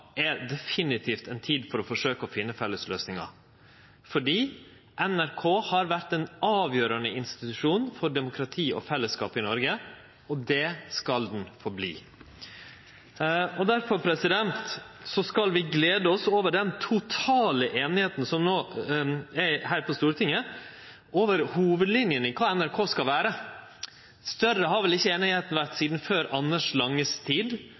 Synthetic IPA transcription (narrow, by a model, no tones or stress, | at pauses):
ɛd̪ɛfɪnɪt̪ʰiːft̪ɛnt̪ʰiːd̪fɔɾɔfɔʂøːkəɔfɪnːəfɛlːəsløːsnɪŋɑ̰ | fɔɖiː | ʔɛnæɾkʰoːhɑɾʋæɾt̪ɛnɑːʋjøːɾɑnəɪnst̪ɪt̪ʉʂuːnfɔɖɛmʊkʰɾɑt̪ʰiːɔ̰fɛlːəskɑ̰ːpɪnɔɾɡə | ɔd̪ɛskɑld̪n̩fɔɾblḭː | ɔd̪æɾfɔɾpʰɾɛsɪd̪ɛnt̪sɔskɑlʋɪɡleːd̪əɔsoːʋəɖɛnt̪ʰʊt̪ʰɑːləʔeːnɪheːt̪n̩sɔmnoː | ɛɾhæːɾpʰɔst̪uːɾt̪ʰɪŋːə | oːʋəɾhuːʋəd̪lɪnjənɪkʰɑːɛnæɾkʰoːskɑlʋæːɾə | st̪œrːəɦɑɾʋɛlɪçːəeːnɪheːt̪n̩ʋæɾʈ̪siːd̪n̩føːɾɑnːəʂlɑŋːəst̪ʰiːd̪